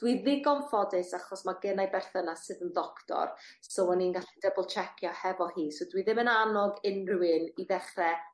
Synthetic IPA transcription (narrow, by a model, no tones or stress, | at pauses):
d̥wiðɪɡɔnfɔdɨsaχɔsmaɡənajbɛrθənasɨðənðɔktʰɔ̰rsowɛninɡaɬɛdəbəlˠt͡ʃʰɛkʰjɔhɛvɔhiːsowdwiðɪmənanɔɡɪnrɪwɪniðɛχrɛ